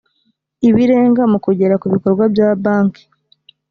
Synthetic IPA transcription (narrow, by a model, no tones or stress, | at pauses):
iβiɾe̞ːŋɡamukuɟe̞ɾakuβiko̞ɾɡwabjabaːŋki̥